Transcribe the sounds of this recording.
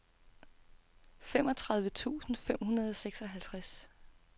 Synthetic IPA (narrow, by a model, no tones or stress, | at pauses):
fem̰ɒ̽t͡sʰʁɑ̈ðˠʋət͡sʰṵːsn̩fem̰hunɐð̞ˠɒ̽seɡ̥sɒ̽ɦælt͡sʰʁas